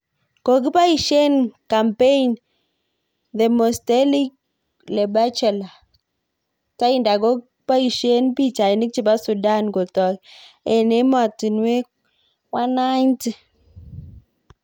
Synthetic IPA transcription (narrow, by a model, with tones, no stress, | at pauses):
ko˨ki˦pa˦i˨ʃe˦nka˨mpe˦i˨n | ðe˨mo˨ste˦li˦k̚ | le˨ba˦t͡ʃɛ˨la˨ | ta˦i˦nda˨ko˦k | pa˦i˨ʃe˦npi˦t͡ʃa˨i˨ni˦k̚t͡ʃi˦˨ba˦su˨da˦˨nɡo˨tɔ˨ke˨ne˦ma˨ti˨nwe˦ | wa˦na˦nti˦